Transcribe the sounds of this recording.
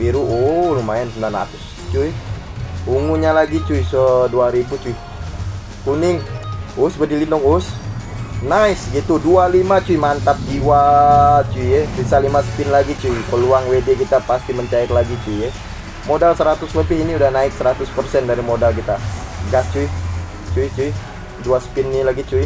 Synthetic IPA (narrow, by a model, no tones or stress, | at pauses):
biɾuolumaɛnsəndana̰t̪ʊs | t͡ʃui | uŋuɲalaɡit͡ʃuisəduaɾibut͡ʃuh | kunɪŋusbədilindɔŋus | naɪsɡit̪udualimat͡ʃuimant̪ap̚tiwat͡ʃujɛsisalimasə̥pɪnlaɡit͡ʃuipəluaŋwedekit̪apast̪iməɲt͡ʃaɪklaɡit͡ʃujɛ | modalsəɾat̪ʊswəpɪhiniudahnaɪk̚səɾat̪ʊspərsɛndaɾimodalkit̪aɡast͡ʃuih | t͡ʃuit͡ʃui | duasə̥pɪnːilaɡit͡ʃui